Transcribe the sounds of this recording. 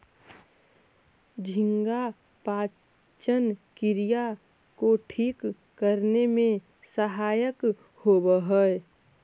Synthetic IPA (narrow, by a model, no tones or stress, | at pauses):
d͡ʒʱɪŋɡa | paː | t͡ʃənkɪɾija | koʈʰiːkː | əɾnemẽ | səɦaːjək | hoːbəɦəɛ